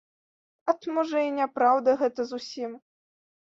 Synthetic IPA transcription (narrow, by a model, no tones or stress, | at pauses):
ɐt̪mɔʐɐinʲapɾawd̪ɐɣɛt̪ɐzusʲim